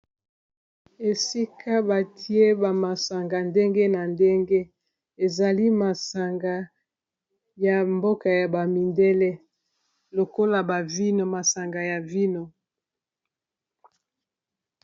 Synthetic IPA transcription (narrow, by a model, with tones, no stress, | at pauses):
e˨si˦kʰa˦ba˨ti˦e˦ba˨ma˨sa˨ŋɡa˨nde˦ŋɡe˦na˨nde˦ŋɡe˦ | e˨za˨li˦ma˨sa˨ŋɡa˨ | ja˨mbo˦ka˨ja˨ba˨mi˨nde˦le˦ | lo˨ko˦la˨ba˨vi˦no˨ma˨sa˨ŋɡa˨ja˨vi˦no˨